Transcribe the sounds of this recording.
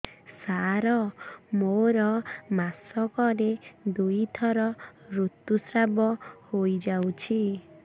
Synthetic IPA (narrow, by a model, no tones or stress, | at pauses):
saɾɔmoɾɔmasɔkɔɾed̪ujt̪ʰɔɾɔɾut̪usɾabɔhojd͡ʒawt͡ʃʰi